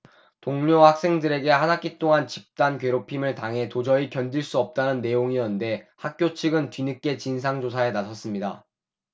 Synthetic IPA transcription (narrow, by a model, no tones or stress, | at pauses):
toŋɲohak̚s͈e̞ŋdɯɾe̞ɡe̞hanak͈it͈oŋant͡ɕip̚t͈ankɥe̞ɾopʰimɯɭtaŋɦe̞tod͡ʑʌikjʌndiɭs͈uʌp̚t͈anɯnːe̞joŋiʌnde̞hak̚k͈jot͡ɕʰɯɡɯntɥinɯk͈e̞t͡ɕins̬ʰaŋd͡ʑosʰae̞nasʰʌs͈ɯmɲida̰